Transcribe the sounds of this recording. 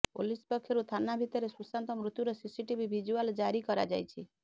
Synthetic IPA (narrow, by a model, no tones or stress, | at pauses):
po̰lispɔkʰjeɾut̪ʰanabʱit̪ɔɾesusant̪ɔmɾut̪juɾɔsisiʈibʱibʱid͡ʒuald͡ʒaɾikɔɾa̰d͡ʒa̰jt͡ʃʰi